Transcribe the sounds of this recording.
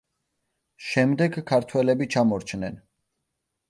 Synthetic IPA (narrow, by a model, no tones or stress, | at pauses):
ʃɛmd̪ɛɡkʰːaɾt̪ʰwɛlɛbit͡ʃʰamɔɾt͡ʃʰnɛn